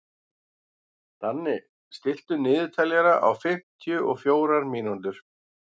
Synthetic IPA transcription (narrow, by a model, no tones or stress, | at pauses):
t̪anːɪ | st̪ɪl̥t̪ʏnɪːðʏt̪ʰɛljɛɾaʔa̰wfɪm̥t̪ʰjʏʔɔɣfjoːwɾaɾmiːnunt̪ʏɾ̥